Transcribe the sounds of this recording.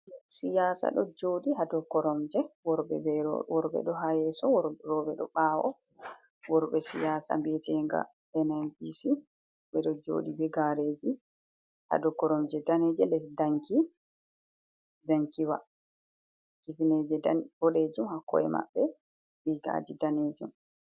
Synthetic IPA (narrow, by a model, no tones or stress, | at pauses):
sijaːsa̰ɗɔd͡ʒoːdiɦadɔkɔɾɔmd͡ʒɛwɔɾbɛ̰bɛɾɔ̰wɔɾɓɛ̰ɗɔɦajɛsɔwɔɾɾɔbɛɗɔ̰ɓaːwɔ̰ | wɔɾɓɛsijasa̰mbɛtɛŋɡa̰ | ɛnanbisi | ɓɛɗɔd͡ʒo̰ːdibɛɡaɾeːd͡ʒi | ha̰dɔkɔɾɔmd͡ʒɛdanɛd͡ʒɛlɛs̬daŋki | daŋkiwa̰ | kifined͡ʒɛdab̥ɔɗeːd͡ʒumhakːɔ̰ɛ̰ma̰ɓːɛ | ɗiɡa̰d͡ʒidaneːd͡ʒum